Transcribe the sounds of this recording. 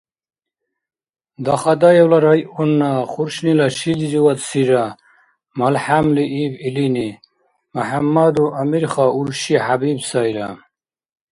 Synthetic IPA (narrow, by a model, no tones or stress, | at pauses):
d̪aχad̪ajewlaɾajunːaχuɾɕnilaɕiliziwat̪siɾa | malħamliʔibilini | maħamːad̪uʔamiɾχauɾɕihabibsajɾa̰